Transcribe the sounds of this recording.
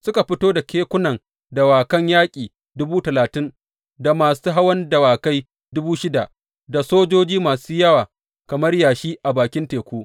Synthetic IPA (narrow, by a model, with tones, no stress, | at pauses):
sʊ˦ka˨ɸɪ˦toː˦da˨kʲeː˦kʷʊ˦nɐ˨ŋ | dɐ˨waː˨kɐ˦ɲjaː˦kʲʼiː˨ | dʊ˦buː˦tɐ˨laː˨tɪ˦n | da˨maː˨suː˦ɦa˦wɐ˦ndɐ˨waː˨ka˦j | dʊ˦buː˦ʃɪ˦da˨ʔ | da˨soː˦d͡ʒoː˦d͡ʒiː˦maː˨suː˦jɐ˦waː˨ | kɐ˨mɐ˦rjaː˨ʃiː˦ʔa˨baː˨kʲɪ˦nteː˨kʷuː˦ʔ